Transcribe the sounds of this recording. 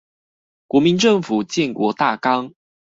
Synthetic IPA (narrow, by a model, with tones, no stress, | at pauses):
kwɔ˧˥mi˨˦nʈ͡ʂɤ˥˨ŋfu˨˩t͡ɕjɛ˥˨nkwɔ˧˥˦t̪a˥˨kɑ˦ŋ